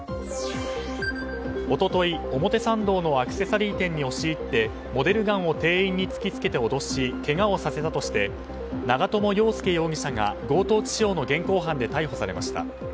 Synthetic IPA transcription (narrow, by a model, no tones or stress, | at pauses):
o̞t̪o̞t̪o̞io̞mo̞t̪e̞sãnd̪o̞ːno̞akɯ̟̥se̞saɾʲiːt̪ẽ̞ɲ̟ːio̞ɕiːt̪ːe̞ | mo̞d̪e̞ɾɯ̟ɡãɰ̃o̞t̪e̞ːĩɲ̟ːit͡sɨ̥kʲit͡sɨ̥ke̞t̪e̞o̞d̪o̞ɕike̞ɡao̞sase̞t̪at̪o̞ɕi̥t̪e̞ | naɡat̪o̞mo̞jo̞ːsɨ̥ke̞jo̞ːɡʲiɕaŋa̰ɡo̞ːt̪o̞ːt͡ɕi̥ʑo̞ːno̞ɡẽ̞ŋko̞ːɦãnd̪e̞t̪aiɦo̞saɾe̞ma̰ɕi̥t̪a̰